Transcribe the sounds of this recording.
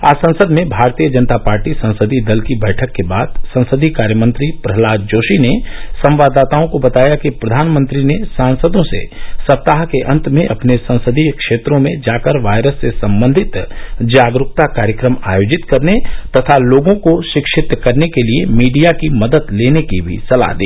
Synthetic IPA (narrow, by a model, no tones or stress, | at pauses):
a̰ːsɐ̃nsəd̪mẽbʱaːɾt̪ijəd͡ʒənt̪apaːɾʈisɐ̃nsəd̪ʱid̪ɐlkibɛːʈʰəkːebaːd̪sɐ̃nsəd̪ʱikaːɾjəmə̃nt̪ɾipɾɐɦlaːd͡ʒd͡ʒoːʃinesɐ̃mʋaːd̪aːt̪aːõkobɐt̪aːjakipɾɐd̪ʱaːnmə̃nt̪ɾinesaːnsəd̪õsḛsɐt̪ːaːɦkeʔɐ̃nt̪mẽʔɐpnesɐ̃nsəd̪ʱikʃeːt̪ɾõmẽd͡ʒaːkəɾʋaːɪɾəsːesɐ̃mbə̃nd̪ʱɪt̪d͡ʒaːɡɾʊk̚t̪akaːɾjəkɾəmaːjoːd͡ʒɪt̪kɐɾnet̪ɐt̪ʰaloːɡõkoʃɪkʃɪt̪kɐɾnekeliemiːɖijakimɐd̪ət̪leːnekibʱḭsɐla̰d̪ḭː